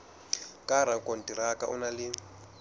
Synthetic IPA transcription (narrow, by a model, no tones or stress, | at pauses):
kʼaɾ̤akʼon̩tʼiɾakaʔṵnalɪ